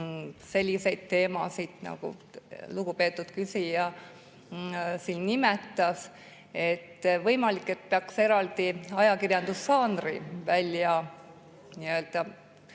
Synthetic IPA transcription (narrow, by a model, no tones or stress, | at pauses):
se̞lʲːise̞jd̪̥t̪e̞ːmɑ̰sid̪̥nɑ̰ɡ̥ṵluɡ̥upe̞ːt̪ːˑud̪̥kysijɑ | siːnnimet̪ːˑɑs | e̞t̪ːvɤjmɑlikːe̞t̪̚peɑkse̞ɾɑld̪iɑjɑkirjɑnd̪̥usːɑːnrḭvælʲjɑ | niø̞ːld̪̥ɑ